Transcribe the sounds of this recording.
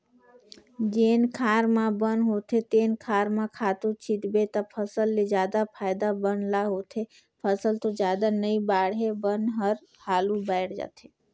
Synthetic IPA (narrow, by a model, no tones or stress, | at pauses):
d͡ʒeːnkʰaːɾmãbənɦot̪ʰet̪eːnkʰaːɾmãkʰaːt̪ũt͡ʃit̪bet̪apʰəsəlːed͡ʒjaːd̪apʰaːɪd̪abənlaɦot̪ʰe | pʰəsəlt̪od͡ʒjaːd̪anəibaːɽɦebənɦəɾ | haːlũbaɪɽd͡ʒa̰t̪ʰe